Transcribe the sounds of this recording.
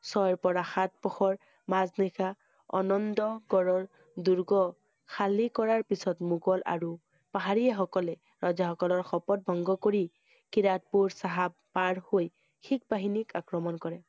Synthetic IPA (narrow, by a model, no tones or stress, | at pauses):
sɔjɹpɔɹaxat̚pɔxʰɔɹ | maznika | ɔ̰nɔndɔɡɔɹɔɹ | duɹɡɔ | xʰalikɔɹaɹpisɔtmuɡɔla̰ɹu | paɦaɹiɛxɔkɔlɛ | ɹɔzaxɔkɔlɔɹxɔpɔt̚bʱɔŋɡɔkoɹi | kiɹat̚puɹsaɦabːaɹhoj | xʰik̚baɦinikakɹɔmɔnkɔɹɛ